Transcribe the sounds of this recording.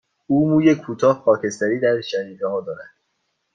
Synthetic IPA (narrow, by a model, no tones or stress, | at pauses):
uːmuːjekʰːuːt̪ʰɒːhxɒːcʰe̞st̪æɾiːd̪æɾʃæɾiːɾeɦɒːd̪ɒːɾæd̪̥